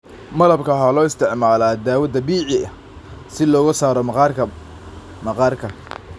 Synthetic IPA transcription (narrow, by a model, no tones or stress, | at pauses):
mɐlɐbkʰɐɦɐlɔːɪst̪ʰɪʕmaːlaːd̪aːwɐd̪ɐbiːʕɪɐ | sɪlɔːɣɐsaːɾɔmɑr | mɐqɑːrkʰɐ